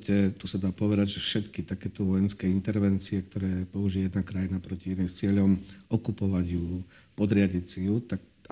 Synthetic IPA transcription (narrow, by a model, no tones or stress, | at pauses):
cɛt̪usad̪aːpɔʋɛd̪aɟʒɛfʃɛt̪kit̪akɛːt̪ɔʋɔjɛnskɛint̪ɛɾʋɛnt͡siɛk̚t̪ɔɾɛːpɔuʒiɛjɛd̪nakɾajinapɾɔciinimst͡sɪɛʎɔmɔkupɔʋaɟju | pɔd̪ɾɪaɟisijut̪ak